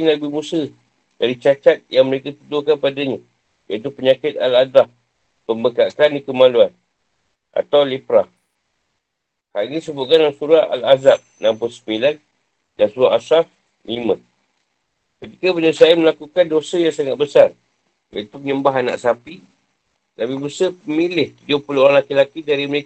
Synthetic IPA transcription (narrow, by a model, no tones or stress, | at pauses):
nabɪhmusə | daɾit͡ʃat͡ʃat̪̚jaŋməɾekat̪ut̪ukanpadaɲa | jait̪upəɲãkɪt̪̚aladah | pəmbəkakandikəmaluan | ʔa̰t̪awlepɾah | hanisəbʊt̪̚kanaŋsuɾaa̰lazap̚nampʊsə̥pilan | dansuɾaʔasaf | limə̃ | kət̪ikapənəsaaməlakukandosəjaŋsaŋat̪̚bəsar | ja̰it̪ukɲəmbaɦanːa̰ʔsapi | t̪abibəsəpəmilɪht̪ud͡ʒʊpəloɾaŋlakilakidaɾiməle